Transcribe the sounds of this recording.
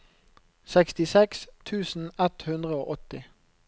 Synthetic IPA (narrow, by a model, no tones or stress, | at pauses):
sɛkst̪ɪsɛkst̪ʰʉːsn̩ɛt̪hʉnd̪ʁəoːʔɔt̪ɪ